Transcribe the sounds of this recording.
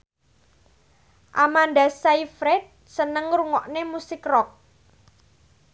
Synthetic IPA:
ʔamandasaifɾɛt̪̚ | sənəŋɾuŋɔʔnemusɪkrɔk̚

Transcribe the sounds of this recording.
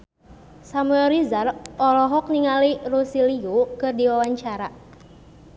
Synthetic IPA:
samuɛlɾizarɔlɔɦɔk̚niŋalirusiliukɨrdiwawaɲt͡ʃaɾa

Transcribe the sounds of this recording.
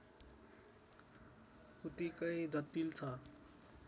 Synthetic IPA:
kut̪ikʌjd͡zʌt̪ilt͡sʰʌ

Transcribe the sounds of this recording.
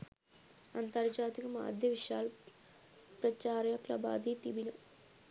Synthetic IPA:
ɐnt̪ɐɾd͡ʒaːt̪ikɐma̰ːd̪ʱjɐʋiʃaːl | pɾɐt͡ʃaːɾjɐklɐ̰ba̰ːd̪ʱiːt̪ibilɐ

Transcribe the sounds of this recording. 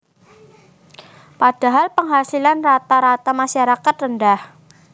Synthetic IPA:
pad̥a̤ɦalpəŋɦasilanrat̪aɾat̪amaʃaɾakat̪rəndah

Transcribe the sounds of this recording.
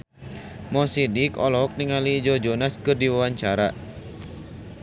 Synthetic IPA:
mɔsidikɔlɔɦɔk̚niŋaliːd͡ʒɔd͡ʒɔnaskɨrdiwawaɲt͡ʃaɾa

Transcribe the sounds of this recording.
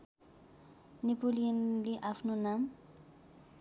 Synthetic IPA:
nipolijanleʔapʰnonam

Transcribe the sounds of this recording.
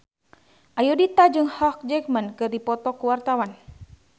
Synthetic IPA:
ʔajudit̪ad͡ʒɨŋhɔk̚d͡ʒɛkmənkɨrdipɔt̪ɔkuwart̪awan

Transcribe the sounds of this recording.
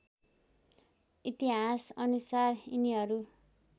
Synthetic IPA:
it̪iɦasʌnusariniɦʌɾu

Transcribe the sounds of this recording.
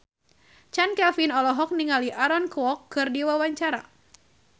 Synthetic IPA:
t͡ʃankɛlfinɔlɔɦɔk̚niŋaliʔaɾɔnkɔkːɨrdiwawaɲt͡ʃaɾa

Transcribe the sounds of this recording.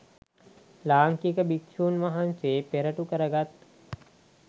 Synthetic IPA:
laːŋkikəbikʃuːnʋaɦanseːpeɾəʈukəɾəɡat̪

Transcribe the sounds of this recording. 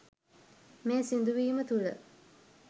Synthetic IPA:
meːsind̪uʋiːmət̪ulə̰

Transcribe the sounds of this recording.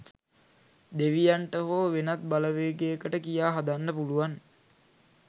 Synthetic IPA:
d̪eʋijaɳʈəɦoːʋenat̪̚baləʋeːɡeəkəʈəkijaːɦad̪anːəpuluʋan

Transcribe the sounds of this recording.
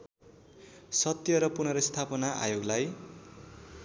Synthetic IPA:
sʌt̪jʌɾʌpunʌɾʌst̪ʰapʌnaʔa̰joɡlaj

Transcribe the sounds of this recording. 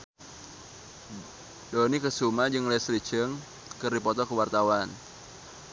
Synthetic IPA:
donikəsumad͡ʒɨŋlɛslit͡ʃəŋ | kɨrdipɔt̪ɔkəwart̪awan

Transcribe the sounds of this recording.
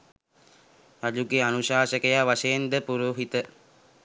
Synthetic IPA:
ɾad͡ʒuɡeanuʃaːʃəkəjaʋaʃejnd̪əpuɾuːɦit̪ə

